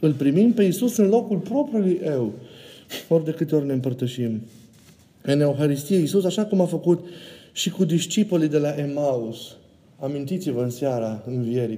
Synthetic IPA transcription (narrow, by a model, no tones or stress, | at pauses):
ɨlpɾimimpe̞isusɨnlo̞kulpɾo̞pɾiulujʔew | o̞rʲd̪e̞kɨt̪eorʲne̞ɨmpərt̪əʃim | ɨne̞oxaɾist̪ijeisusaʃakumafəkut̪ʃikud̪iʃt͡ʃipolid̪e̞laʔemaus | amint̪it̪sivəɨnseaɾaɨnvie̞ɾi